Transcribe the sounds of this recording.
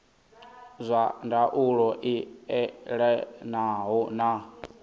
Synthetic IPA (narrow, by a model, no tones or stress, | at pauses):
zʷandaʔuɺɔʔiɛɺɛnaɦɔna